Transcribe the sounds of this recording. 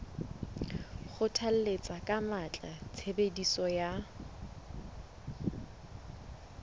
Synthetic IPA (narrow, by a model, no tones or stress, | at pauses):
χʊtʰal̩let͡sʼakʼamat͡ɬʼat͡sʰebedisɔja